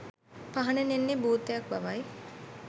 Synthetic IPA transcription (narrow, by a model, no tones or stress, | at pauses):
paɦɐnenenːibuːt̪ːejak̚baʋaj